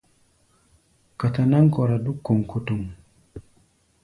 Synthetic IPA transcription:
ka˨ta˨na˦ŋkɔ˨ɾa˨du˦kːo˨ŋko˦tu˨ŋ

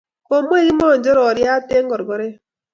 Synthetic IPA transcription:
ko˨mʷ˦e˦ɣi˦mɔ˦˨n˨d͡ʒɔ˦ɾɔ˨ɾja˦te˦ŋ˦ɡɔ˨ɾɡɔ˨ɾe˦

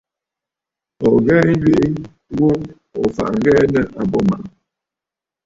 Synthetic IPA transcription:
ɔ˨ɡɛː˦n̩˦d͡ʒɥe˦ʔi˦ | wo˦ | ɔ˨fa̰˨ʔɡɛ˦nɛ˦ʔa˨bɔ˦ma̰˨

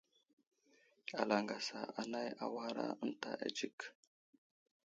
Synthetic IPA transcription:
a˨la˨ŋɡa˨sa˨ʔa˨na˦ja˨wa˦ɾa̰˦ə˦nta̰˨ʔa̰˨d͡ʒi˦k

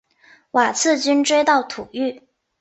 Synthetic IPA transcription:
wa˨˩t͡sʰɹ̩˥˩t͡ɕy˥nʈ͡ʂwe˥ɪt̪ɑ˥˩ʊt̪ʰu˨˩˦y˥˩

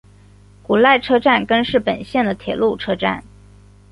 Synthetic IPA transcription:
ku˨˩la˥˩ɪʈ͡ʂʰɤ˥ʈ͡ʂa˥˩nkə˥nʂɻ̩˥˩pə˨˩nɕjɛ˥˩nd̪ə˩t̪ʰjɛ̰˨˩lu˥˩ʈ͡ʂʰɤ˥ʈ͡ʂa̰˥˩n

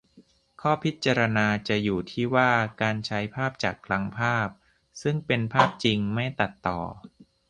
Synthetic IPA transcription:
kʰɔː˥˩pʰi˦˥t̪̚t͡ɕːaː˧ɾa˧naː˧t͡ɕa˨˩juː˨˩t̪ʰiː˥˩waː˥˩kaː˧nt͡ɕʰa˦˥jpʰaː˥˩p̚t͡ɕaː˨˩kʰla˦˥ŋpʰaː˥˩p̚ | sɯ˥˩ŋpe˧npʰaː˥˩p̚t͡ɕi˧ŋma˥˩jt̪a˨˩t̪ːɔ̰ː˨˩

